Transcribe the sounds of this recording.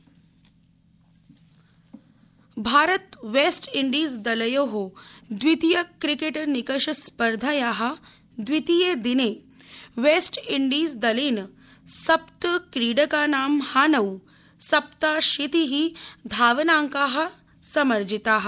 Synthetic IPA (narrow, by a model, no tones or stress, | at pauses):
bʱaːɾət̪ʋeːsʈiɳɖiːsd̪ɐlɐjoːɦod̪ʋit̪ijɐkɾikeʈnikɐʃɐspɐɾd̪ʱajaːɦɐ̆ | d̪ʋit̪ijeːd̪ineː | ʋeːsʈiɳɖiːsd̪ɐliːn | sɐpt̪kɾiːɖɐkaːnaːmhaːnɐw | sɐp̚t̪aːʃit̪iɦid̪ʱaːʋɐnaːŋkaːɦɐ̆ | sɐmɐɾd͡ʒʱit̪aːɦɐ